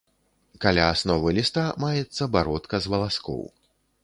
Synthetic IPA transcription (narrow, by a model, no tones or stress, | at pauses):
kalʲaːsnɔvɨlʲist̪amajɛt̪sːɐbaɾɔt̪kɐzvɐlˠaskɔ̰w